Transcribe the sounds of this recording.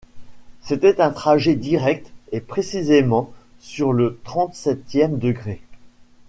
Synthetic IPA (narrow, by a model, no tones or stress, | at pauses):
set̪ɛt̪ɛ̃t̪χaʒed̪iʁɛk̚t̪epχesizemɑ̃ | syʁlət̪χɑ̃t̪sɛt̪jɛmd̪əɡʁe